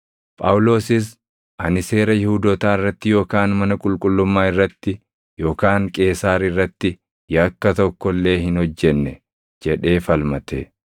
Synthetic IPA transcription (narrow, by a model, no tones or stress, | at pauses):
pʼɐwʊlo̞ːsɪs̬ | ʔɐnɪse̞ːɾɐjɪhud̪ɔt̪aːɪrːɐt̪ːɪjo̞ːkaːnmɐnɐkʼʊlkʼʊlːʊmːaːɪrːɐt̪ːɪ | jo̞ːkaːŋkʼe̞ːsaːɾɪrːɐt̪ːɪ | jɐkːɐt̪ɔkːɔlːe̞ːɦɪnhɔd͡ʒːɛnːɛ | d͡ʒɛᶑe̞ːfɐlmɐt̪e